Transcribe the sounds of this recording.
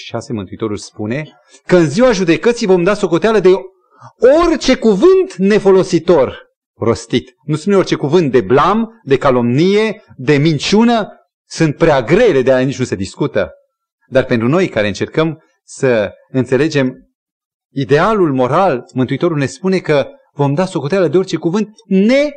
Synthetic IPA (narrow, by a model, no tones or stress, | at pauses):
ʃi̥ʃasemɨnt̪uit̪o̞ɾulspune̞ | kəɨnziwaʒud̪e̞kət̪sijvo̞md̪aso̞ko̞t̪ealəd̪e̞ | orʲt͡ʃe̞kuvɨnt̪ne̞fo̞lo̞sit̪o̞r | ro̞st̪it̪ | nuspuneort͡ʃe̞kuvɨnt̪̚d̪e̞blamd̪e̞kalo̞mnije̞ | d̪e̞mint͡ʃunə | sunt̪̚pɾeaɡɾe̞le̞d̪eajanit͡ʃnuse̞d̪iskut̪ə̰ | d̪arpe̞nt̪ɾuno̞jkaɾe̞ɨnt͡ʃe̞rkəm | sə | ɨnt̪se̞le̞d͡ʒe̞m | id̪e̞alulmo̞ɾalmɨnt̪uit̪o̞ɾulne̞spune̞kə | vo̞md̪aso̞ko̞t̪ealəd̪eort͡ʃe̞kuvɨnt̪̚ | ne̞